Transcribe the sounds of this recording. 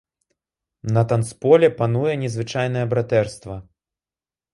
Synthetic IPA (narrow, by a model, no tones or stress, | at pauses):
nɐt̪anspɔlʲɛpanujɛnʲɛzvɨt͡ʂajn̪ɐjɛbɾat̪ɛrst̪vɐ